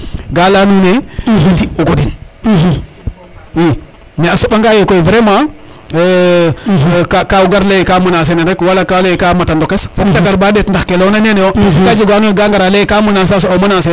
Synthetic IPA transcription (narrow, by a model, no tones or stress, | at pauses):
ɡalanunebitiuɡodin | i | neasubaŋɡajekoivɾema | kakawuɡaɾlejkamunas̬enandɛkwalakalejkamatandokesfoktaɡaɾbadetndaxkelonaɲenejokad͡ʒiɡanunɡaŋɡaɾalejkamunas̬as̬oomunase